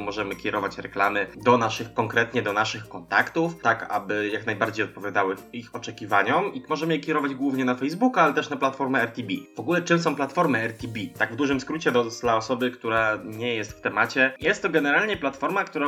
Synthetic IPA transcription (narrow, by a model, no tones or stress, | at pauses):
mɔʐɛmɘkʲɛɾɔvat͡ɕɾɛklamɘd̪ɔnaʂɘxkɔŋkɾɛt̪ɲɛd̪ɔnaʂɘxkɔnt̪a̰kt̪uft̪aka̰bɘjaknajbaɾd͡ʑejɔt̪̚pɔvjad̪awɘixɔt͡ʂɛkʲiva̰ɲɔmimɔʐɛmɘjɛkʲɛɾɔvad͡ʑɡwuvɲɛnafɛjzbukualɛt̪ɛʂnaplat̪fɔɾmɛɛɾt̪ʲibʲiv̥ɔɡulɛt͡ʂɘmsɔ̃w̃plat̪fɔɾmɘɛɾt̪ʲibʲit̪aɡvd̪uʐɘmskɾut͡ɕɛd̪ɔd̪laɔsɔbɘkt̪uɾaɲɛjɛst̪ft̪ɛmat͡ɕɛjɛst̪t̪ːɔɡɛnɛɾalɲɛplat̪fɔɾmakt̪uɾa